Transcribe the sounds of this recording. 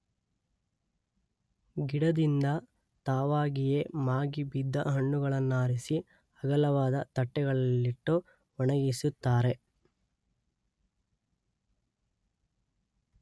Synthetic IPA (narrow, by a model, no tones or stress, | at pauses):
ɡiɽɐd̪ind̪ɐ | t̪aːʋaːɡijemaːɡibid̪ːɐ̰ɦɐɳːuɡɐɭɐnːaːɾisi | ɐɡɐlɐʋaːd̪ɐt̪ɐʈːɛɡɐɭɐlːiʈːo | ɔɳɐɡisut̪ːaːɾe̞